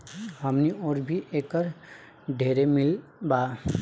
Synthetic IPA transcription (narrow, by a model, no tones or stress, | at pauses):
ɦəmniɔːɾbʱiʔeːkəɾ | ɖʱeːɾemɪl | baː